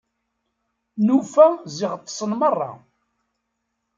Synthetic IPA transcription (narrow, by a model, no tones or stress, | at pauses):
nufæziʁət̪ˤːə̥sˤənmərˤːɑ̰